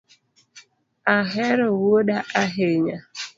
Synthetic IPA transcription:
aɦeɾʊwoɗaʔaɦeɲa

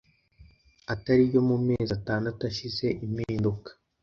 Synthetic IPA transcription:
ataɾijo̞mume̞ːzataːndatuaʃize̞ʔimiːndukḁ

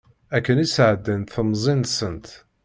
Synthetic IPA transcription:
ækːənisʕəd̪ːənθəmzˤinsənt̪

